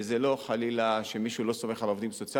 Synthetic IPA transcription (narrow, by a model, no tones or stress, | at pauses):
zelo̞χalilaʃemiʃulo̞so̞me̞χalovd̪imso̞t͡sia